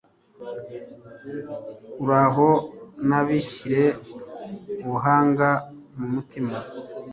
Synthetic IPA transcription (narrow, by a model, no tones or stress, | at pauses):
kuɾaɦo̞naβiʃiɾe̞ | uβuɦaːŋɡa | mumutima